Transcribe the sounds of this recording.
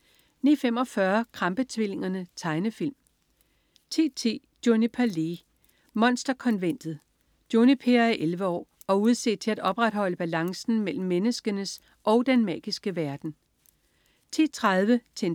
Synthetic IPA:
nḭːfem̰ɒ̽fɶɐkʰʁɑ̈mb̥ət͡sʰʋil̰e̝ŋɐnət͡sʰɑ̈ɪnəfil̰m | t͡sʰe̝̰ːt͡sʰe̝̰ː | d̥jo̝nipʰæle̝ | mɒ̽nsd̥ɐkʰɒ̽nʋen̰d̥ð̩ˠ | d̥jo̝nipʰe̝ɐæʔelʋəɒ̰ː | ɒ̽uð̞ˠse̝̰̥t͡sʰe̝læd̥ɒ̽b̥ʁad̥hɒ̽l̰əb̥ælɑ̈ŋsn̩mel̰m̩ːenəsɡ̥ənəs | ʔɒ̽ʊd̥enmɛ̰ːɡ̥isɡ̥əʋæɐd̥n̩ | t͡sʰe̝̰ːt͡sʰʁaðˠʋət͡sʰen

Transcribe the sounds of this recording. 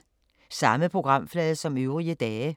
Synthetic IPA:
sɑ̈məpʰʁo̝ɡ̥ʁɑ̈m̰flɛːðˠsɒ̽møʊʁiəd̥ɛː

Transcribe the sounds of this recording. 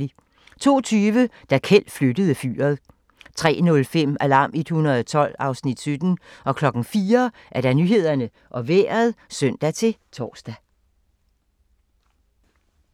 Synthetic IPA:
i | t͡sʰo̝ːt͡sʰyːʋəd̥ækʰel̰̥flød̥əð̞ˠəfy̰ːɐðˠ | t͡sʰʁɛ̰ːnɔ̽lfem̰ælɑ̈ːmed̥hunɐðˠɒt͡sʰɒ̽l̰ɑ̈ʊsnid̥sød̥n̩ɒ̽kʰlɒ̽ɡ̥n̩fiːɐ | ʔæɐɾ̥ɑ̈nyɦe̝ð̞̰ˠɐnə | ʔɒ̽ʋḛːɐð̞ˠsœn̰d̥æt͡sʰe̝t͡sʰɒ̰ːsd̥æ

